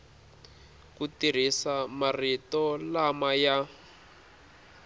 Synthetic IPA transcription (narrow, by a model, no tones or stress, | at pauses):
kutir̤isamaritɔlamaja